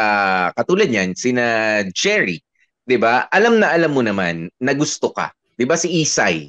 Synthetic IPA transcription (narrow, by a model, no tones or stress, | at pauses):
akɐt̪uːlɐd̪̚ɲansɪnad͡ʒɛɹi | d̪ɪbaʔɐlamnɐʔɐlamːonɐma̰nːɐɡʊst̪okɐ̰ | d̪̥ɪbasɪʔiːsa̰j